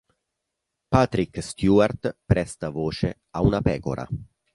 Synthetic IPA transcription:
pat̪ɾikst̪juart̪pɾɛst̪avoːt͡ʃe | aunapɛːko̰ɾa̰

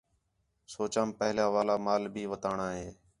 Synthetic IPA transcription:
soːt͡ʃaːmpəɦljaːʋaːlaːmaːlbʱiːʋət̪aːɳaːɦeː

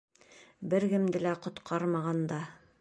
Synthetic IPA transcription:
bɘɾɡɘ̆md̪ɘ̆læqŏt̪qʰɑɾmɑʁɑnd̪ɑ

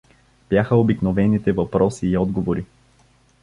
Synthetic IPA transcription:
b̥jaxəobiknovɛnit̪ɛvɐpɾɔsiːɔd̪ɡovoɾi

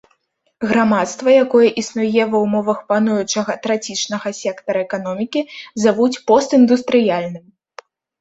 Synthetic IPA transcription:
ɣɾamat̪st̪vɐjakɔjɐʔisnujɛvɐwmɔvɐxpanujut͡ʂɐɣɐt̪ɾat͡sʲit͡ʂnɐɣɐsʲɛkt̪ɐɾɐɛkan̪ɔmʲikʲizavut͡sʲpɔst̪ɨnd̪ust̪ɾɨjalʲnɨm

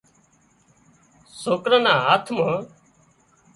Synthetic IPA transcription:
soːkɾə̃nãːaːt̪ʰmɦə

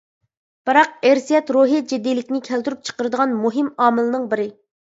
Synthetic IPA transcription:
b̥ɨɾɑqeɾsijɛt̪ɾoɦid͡ʒed̪ilɪkʲnɪkʲʰɛlt̪yɾyp̚t͡ʃʰə̥qəɾɨd̪əʁɑnmuɦɪmɑːmɨlˠɨnɨŋbɪɾɪ

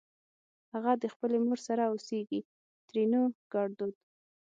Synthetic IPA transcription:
haɣad̪əxpəlemoɾsaɾaoseɡi | t̪ɾinoɡ̥ɑɽd̪ud̪̥

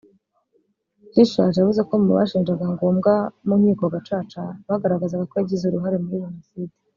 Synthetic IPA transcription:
hiʃaʒejavuze̞komuβa̰ʃiːnd͡ʒaɡaŋɡo̞ːmɡamum̥iːko̞ɡat͡ʃaːt͡ʃaβaɡaɾaɡazaɡakoaɟizeuɾuɦaɾe̞muɾiʒenosidi̥

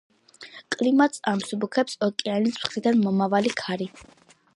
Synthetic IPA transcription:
kʼlimat̪samsubukʰɛpsɔkʼianisχid̪anmɔmavalikʰaɾi

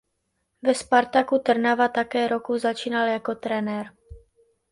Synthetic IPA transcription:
vɛspaɾt̪akut̪r̩navat̪akɛːɾokuzat͡ʃiːnaljako̞t̪ɾɛnɛɾ

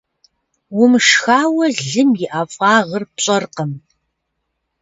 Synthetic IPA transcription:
wʊmʂxaːwɐɮɨmjɪʔaːfʼɑːʁɐrpɕʼɐrqəm

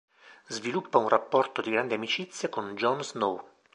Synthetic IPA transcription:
zvilupːaunrapːɔrt̪od̪iɡɾand̪iamit͡ʃit̪sːjakond͡ʒɔnznow

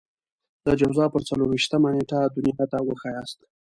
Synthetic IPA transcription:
d̪̥əd͡ʒawzɑpəɾt͡saloɾwiʃt̪əmaneʈad̪unjɑt̪awəxɑjɑst̪

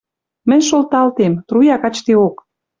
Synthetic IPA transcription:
mə̆nʲʃolt̪ɑlt̪emt̪rujɑkɑt͡ɕt̪eok

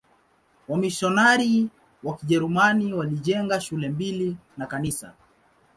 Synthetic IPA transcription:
wamiʃɔnaɾi | wakiʄɛɾumaniwaliʄɛŋɡaʃulɛmbilinakanisa̰

